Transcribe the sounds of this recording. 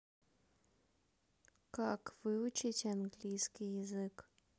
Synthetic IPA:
kakvɨʊt͡ʃitʲanɡlʲijskʲijjɪzɨk

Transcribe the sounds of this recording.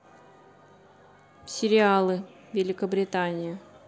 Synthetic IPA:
sʲɪɾʲɪalˠɨ | vʲɪlʲɪkəbɾʲɪt̪anʲɪjə

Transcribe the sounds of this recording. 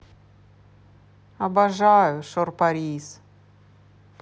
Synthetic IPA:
ɐbɐʐajʊʂorpɐɾʲis

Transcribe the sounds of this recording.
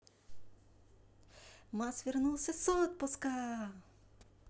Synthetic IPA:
masʋʲirnulˠsʲɐsɔt̪̚pɔska

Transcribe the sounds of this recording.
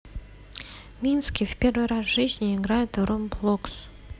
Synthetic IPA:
mʲinskʲijvpʲe̞rvɨjɾasʒ̥ɨzʲnʲɪɪɡɾajʊt̪romblˠoks

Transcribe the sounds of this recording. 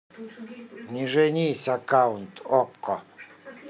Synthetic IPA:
nʲiʐɛnʲiːsʲakaunt̪ɔkːɔ

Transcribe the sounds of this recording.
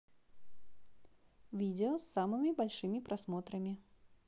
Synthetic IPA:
vʲidʲɪosːamɨmʲɪbɐlʲʂɨmʲɪpɾʔɐsmo̞t̪ɾəmʲɪ

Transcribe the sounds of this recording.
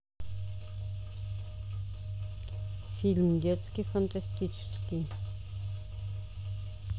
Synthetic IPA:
filmd̪ɔt̪skifant̪ʰast̪it͡ʃʰɪ̥ski

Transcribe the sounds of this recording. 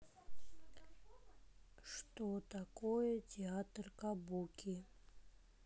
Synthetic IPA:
ʂt̪ot̪akɔjətʲɪat̪rkabukʲʰi

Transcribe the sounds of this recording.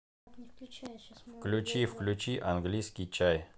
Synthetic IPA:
fklʲʊt͡ɕifklʲʉt͡ɕiʔɐnɡlʲijskʲɪjt͡ɕaj

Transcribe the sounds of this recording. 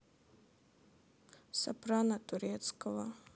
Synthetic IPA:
sa̰pɾanat̪uɾɛt̪skɔva

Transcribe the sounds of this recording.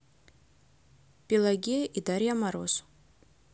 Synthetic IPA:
pʲilˠaɡʲiʔid̪aɾjamaɾos

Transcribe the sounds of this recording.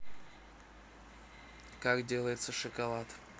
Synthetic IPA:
kakdʲelˠəjɪt̪səʂəkɐlˠat̪

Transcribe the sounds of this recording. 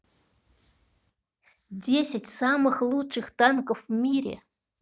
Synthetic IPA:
dʲesʲɪtʲsɑmɨxlˠutʂɨxt̪ɑnkəfmʲiɾʲḛ

